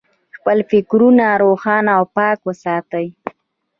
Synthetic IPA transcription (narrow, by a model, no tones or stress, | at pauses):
xpəlfɪkɾunaɾoxɑnaːwpɑkwəsɑt̪əj